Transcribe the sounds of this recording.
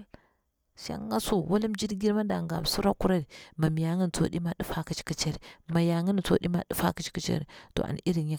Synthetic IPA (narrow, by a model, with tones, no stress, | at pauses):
ʃa̰˦ŋːa˦su˦wa˦li˦md͡ʒi˦dɡi˦ɾma˦da˨ŋɡa̰˨m˨su˦ɾa˦ku˦ɾa˦ɾi˨ma˨mi˨ja˨ŋə˦n˨t͡so̰˦ɗi˦ma˦ɗi˦fa˦ki˦t͡ʃi̥˦ki˦t͡ʃe˦ɾi˨ma˨ja˨ŋə˦n˨t͡so̰˦ɗi˦ma˦ɗi˦fa̰˦ki˦t͡ʃi̥˦ki˦t͡ʃḛ˦ɾḭ˨to̰˨ʔa̰˨n˨i˦ɾi˨i˦